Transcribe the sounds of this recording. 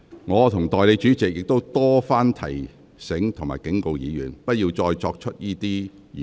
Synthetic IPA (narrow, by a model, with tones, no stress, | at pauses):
ŋɔː˨˧t̪ʰʊ˨˩ŋt̪ɔː˨jle˨˧jt͡ʃyː˨˥t͡sɪ˨k̚jɪ˨k̚t̪o˥wt̪ɔː˥faː˥nt̪ʰɐ̰˨˩j | sɪ˨˥ŋt̪ʰʊ˨ŋmaː˨˩jkɪ˨˥ŋko˧wjḭː˨˧jyː˨˩npɐ˥t̚jiː˧wt͡sɔː˧jt͡ʃɔː˧k̚t͡ʃʰɵ˥t̚jiː˥t̪iː˥˨